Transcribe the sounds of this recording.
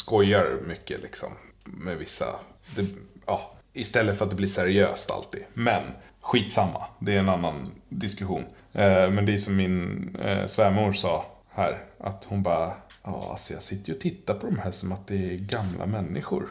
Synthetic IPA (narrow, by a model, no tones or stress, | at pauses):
skɔjːaɾmʏkːə̰lɪksɔ̰mːɛvɪsːa̰ | d̪ɛɑːɪst̪ɛlːət̪fœɾat̪d̪ɛbliːʂæɾɪø̰ːst̪a̰lt̪ḭːd̪mɛnɧiːt̪samːa̰d̪ɛæɛnanːand̪ɪskɵɧṵːn | mɛnd̪ɛsɔmːɪn̰svæːɾmuːʂɑː | hæːɾʔat̪hʊnbɑːɾaɑ̰ːa̰lsɔjɑ̰ːsɪt̪ːəɾəɔt̪ʰɪt̪ːapʰɔd̪ɔmhæːsɔmat̪̚d̪ɛːɡamlʔa̰mɛnːɪɧʊ̰ɾ